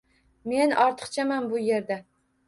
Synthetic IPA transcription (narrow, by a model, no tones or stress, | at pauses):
me̞nɒɾt̪ʰɨ̥qt͡ʃʰamanbʊje̞ɾd̪a